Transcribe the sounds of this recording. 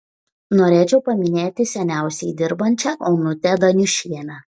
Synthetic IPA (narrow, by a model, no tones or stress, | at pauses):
noːɾʲeːt͡ʃʲɛʊpɐmʲɪnʲeːt̪ʲɪsʲɛnʲæˑʊsʲɛɪd̪ʲɪɾbɐnʲt͡ʃʲɛkɔʊnʊt̪ʲɛd̪ɐnʲʊʃʲiɛnʲɛ